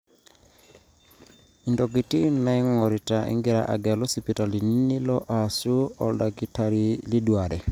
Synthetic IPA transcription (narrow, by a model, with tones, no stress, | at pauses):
i˨ndɔ˨ɡi˨ti˦na˦ŋɔ˨ɾi˨ta˨ʔḭ˦ŋɡi˦ɾa̰˨ʔa̰˨ɡɛ˨lɔ˦si˨pi˨ta˨li˨ni˦ni˦lɔ˦ʔa˨su˦ɔ˨lda˨ɡi˨ta˨ɾi˦li˦du˨a˨dɛ˨